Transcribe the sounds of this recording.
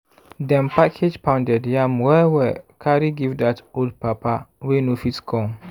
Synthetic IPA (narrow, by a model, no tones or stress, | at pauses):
dɛ̃npʰakʰed͡ʒpʰãʊ̃ndɛdjãmwɛwɛkʰaɾiɡivdatoldpʰapʰawenũfitkʰɔ̃n